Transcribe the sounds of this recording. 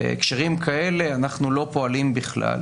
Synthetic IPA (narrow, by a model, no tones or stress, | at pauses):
ḛkʃeʁimkʰae̞le̞anaχnulo̞po̞alimbiχla̰l